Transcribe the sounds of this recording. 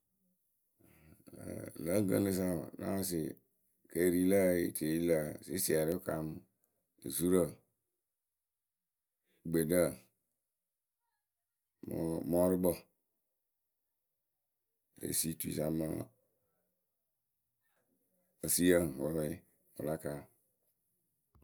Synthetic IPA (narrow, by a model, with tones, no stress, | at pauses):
lə˦ɡə̰˦le˦s̬a˦˨nã̰˦a˦si˨ | ke˨ɾi˨lə˦ḭ˦˨tʰe˨i˦lə˦˨si˦si˨a˨ɾi˦ka̰˨m˦ | ḛ˨zu˦ɾə˦˨ | ɡ͡be˨də˦˨ | m˨mɔ˦ɾi˦bɔ˨ | ḛ˨si˦tu˨ḭ˨sa˨mə˦ | o˨si˦ə˦˨wɔ˨˦ɾi˦ | ṵ˨la˦ka˨